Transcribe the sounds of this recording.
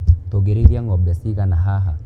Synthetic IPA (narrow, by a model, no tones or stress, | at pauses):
tɔɡɛɾiðiaŋɡɔmbɛsiɣanaɦaɦa̰